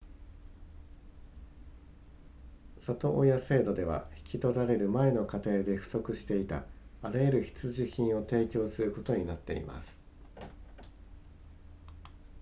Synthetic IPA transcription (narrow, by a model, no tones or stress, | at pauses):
sat̪o̞ʔːjase̞ːd̪o̞d̪e̞βa̰çi̥kʲit̪o̞ɾaɾe̞ɾɯ̟mae̞no̞kat̪e̞ːd̪e̞ɸɯ̟̥so̞kɯ̟ɕi̥t̪e̞it̪a̰ːɾajeɾɯ̟çi̥t͡sɨʑiçĩɰ̃o̞t̪e̞ːkʲo̞ːsɨɾɯ̟ko̞t̪o̞ɲ̟inat̪ːe̞̰ḭma̰sɨ̥